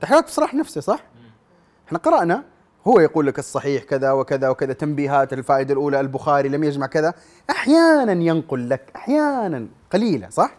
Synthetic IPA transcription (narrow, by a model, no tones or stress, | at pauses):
t̪aħaːt̪b̥sˤɑɾˤɑːħnafsisˤɑħ | ʔɪħnaqɑɾˤɑʔna | hʊwːajɑquːlːakɨsˤːɑħiːħkɪðawɪkɪðawkɪðat̪ːambiːɦaːt̪ɪlfaːʔɪd̪alʔuːlaɪlbʊxaːɾilamjad͡ʒmaʕkɪða | ʔaħjaːnanjɪnqʊlːakʔaħjaːnan | qɑliːla̰sˤɑħ